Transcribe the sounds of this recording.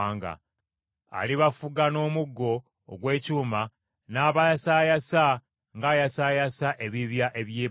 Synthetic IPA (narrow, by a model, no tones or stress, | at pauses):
ŋɡa̰ | a̰liβafuɡano̞ːmuɡːo̞̰ː | ɡwe̞ːcuːma | naːβasajasa | ŋɡaːjasaːjasaʔe̞βiβjaʔe̞βjeː